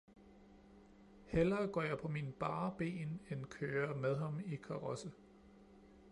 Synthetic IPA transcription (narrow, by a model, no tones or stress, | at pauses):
helɐːɡ̥ɒ̰ːjɑ̈ɪpʰɒ̽minb̥ɑ̈ːb̥e̝̰ːnenkʰøːɐmeð̞ˠɦɑ̈mikʰɑ̈ʁɒsə